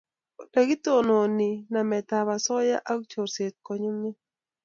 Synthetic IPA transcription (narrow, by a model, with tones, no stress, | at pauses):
o˨ta˨ɡɪ˦t̪o˦˨no˨nɪ˨na˨mɛ˨t̪a˨βa˨sɔ˦ja̰˦ʔa˦kt͡ʃo˨ɾse˨t̪̚ko˨ɲo˦ŋɪ˦